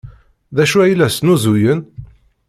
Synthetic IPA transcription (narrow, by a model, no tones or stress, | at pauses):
ðæʃuæjlæsnuzujən